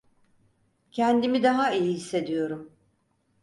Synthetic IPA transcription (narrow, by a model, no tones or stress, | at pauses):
cʰɛnd̪imid̪aɦaijihisːe̞d̪ijo̞ɾum